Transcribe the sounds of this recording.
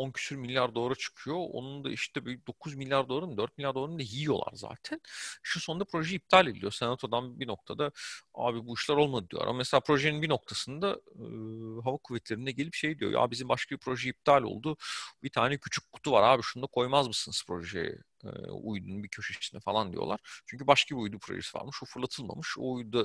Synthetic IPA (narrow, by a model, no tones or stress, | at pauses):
oncʰy̥syɾmilʲːaɾd̪o̞aɾat͡ʃʰɯ̥kʰɯjo̞o̞̰nund̪a̰ʔiʃt̪ʰɛbøjyd̪o̞kʰuzmilʲjaɾd̪olˠaɾumd̪øɾt̪̚milʲːaɾd̪lˠaɾund̪aɦiijo̞lˠa̰ɾza̰ːt̪ʰænʃuso̞nd̪apɾo̞ʒɛip̚t̪ʰalʲed̪lʲḭjo̞senat̪ʰo̞d̪anbino̞k̚t̪ʰad̪aa̰ːbibuiʃlˠaɾo̞lˠmad̪ɯd̪ijo̰ɾa̰mameselʲaːpɾo̞ʒeninbino̞k̚t̪ʰasɯnd̪a | ɦavakʰuvɛt̪ʰlʲeɾind̪ɛɟe̞lʲipʃe̞jd̪ijo̰ja̰ːbizimbaʃkʰabipʰɾo̞ʒɛip̚t̪ʰalʲo̞̰lˠd̪ubit̪ʰaːnɛcʰyt͡ʃʰy̥k̚kʰːu̥t̪ʰuvaɾaːbiʃund̪akʰo̞jmazmɯsɯnɯspʰɾo̞ʒḛɛ̰ | ṵjd̪ṵnbicʰø̞ʃyʃisinɛfalˠand̪ḭjo̞̰lˠa̰ɾ̥t͡ʃʰyɲcʰybaʃkʰabiujd̪upʰɾo̰ʒesiva̰ɾmɯʃufuɾlˠat̪ʰɯlˠma̰mɯʃo̰ujud̪a